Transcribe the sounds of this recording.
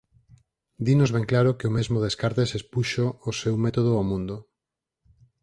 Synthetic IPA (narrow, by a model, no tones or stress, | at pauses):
d̪inozβẽŋklaɾokeomezmoðeskaɾt̪esespuʃoːsewmet̪oð̞oamũnd̪o